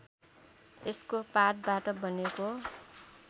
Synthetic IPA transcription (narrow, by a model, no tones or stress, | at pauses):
eskopat̪̚baʈʌbʌneko